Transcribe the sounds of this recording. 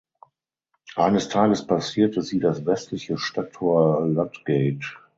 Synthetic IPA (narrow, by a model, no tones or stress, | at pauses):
ʔaɪnəstʰaːɡəspasiːɐtəziːdasvɛstʰlɪçəʃtatʰoɐlantɡ̥ɛɪt